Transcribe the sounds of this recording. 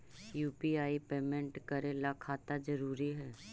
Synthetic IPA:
juːpiaːipeːmɛ̃ɳʈkəɾelakʰaːt̪ad͡ʒəɾuːɾiɦɛː

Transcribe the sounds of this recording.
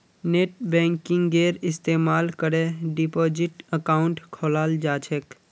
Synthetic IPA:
neːʈ̚bɛ̃ːŋkɪ̃ŋɡɡeːɾɪst̪eːmaːlkəɾeɖipoːd͡ʒɪʈəkaːʊɳʈkʰoːlaːld͡ʒaːt͡ʃʰek

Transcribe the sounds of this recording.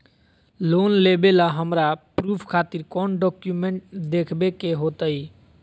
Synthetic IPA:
lonlebelaɦəmɾapɾupʰkʰat̪iɾkɔnɖɔkjumẽɳʈd̪ekʰbekeɦot̪əi

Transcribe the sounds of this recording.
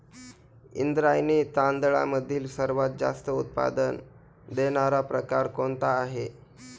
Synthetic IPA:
ḭnd̪ɾajniːt̪and̪ɭa̰məd̪ʱiːlsəɾʋat̪̚d͡za̰st̪əut̪̚pa̰d̪ən | d̪eɽ̃aɾapɾəkaɾkoɳt̪aːɦe

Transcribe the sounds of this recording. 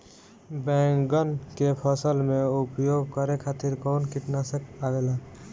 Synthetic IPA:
bɛ̃ŋkɡənkepʰəsəlmẽupjoɡkəɾekʰat̪iɾkɔːnkiʈnasəkabela

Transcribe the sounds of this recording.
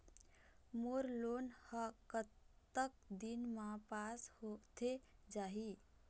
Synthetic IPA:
moɾlonhəkət̪ːək̚d̪inmapashot̪ʰed͡ʒaɦi

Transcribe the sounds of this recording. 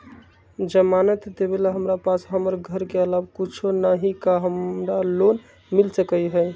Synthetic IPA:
d͡ʒəmanət̪d̪ebelaɦəmɾapasɦəməɾɡʱəɾkeəlabkut͡ʃʰonaɦikaɦəmɾalon | milsəkəjɦəj

